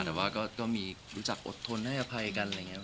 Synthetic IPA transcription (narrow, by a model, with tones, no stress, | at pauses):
t̪ɛː˨˩waː˥˩kɔː˥˩kɔː˥˩miː˧ɾuː˦˥t͡ɕa˨˩k̚ʔo̰˨˩t̪ʰːo˧nha˥˩jʔa˧pʰa˧jka˧na˧jŋːi˦˥